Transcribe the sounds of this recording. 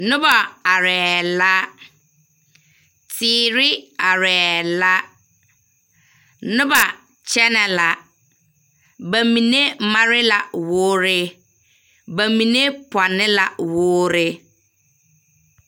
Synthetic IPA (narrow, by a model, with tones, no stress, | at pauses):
nʊ̃˦ba˨a˨ɾɛː˨la˦ | tʰɪː˦ɾɪ˦a˨ɾɛː˨la˦ | nʊ̃˦ba˨ | t͡ɕʰɛ˦nɛ˨la˨ | ba˨mĩ˨ne˦mã˦ɾɪ˦la˨wʊː˦ɾɪ˦ | ba˨mĩ˨ne˦pʰa˨nɪ̃˦la˨wʊː˦ɾɪ˦